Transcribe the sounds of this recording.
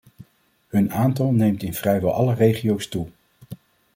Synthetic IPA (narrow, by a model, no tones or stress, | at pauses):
hɵnaːntɑlˠnejmtɪnv̥rɛjʋɛ̰lˠʔɑlərejχijowstu